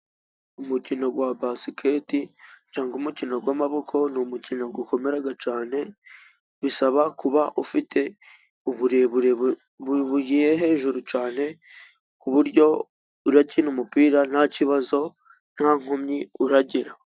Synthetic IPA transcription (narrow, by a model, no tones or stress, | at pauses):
umucino̞ɡwabasikʰetit͡ʃaːŋɡumucino̞ɡwamaβo̞kʰo̞numucino̞ɡuko̞meɾaɡat͡ʃaːne̞ | βisaβakuβaʔufitʰe̞ | uβuɾeβuɾe | βujijeɦe̞ːʒuɾut͡ʃaːne̞ | kuβuɾɟo̞ | uɾacinumupiːɾanaciβazo̞ | n̥haŋ̥homɲiuɾaɟiɾa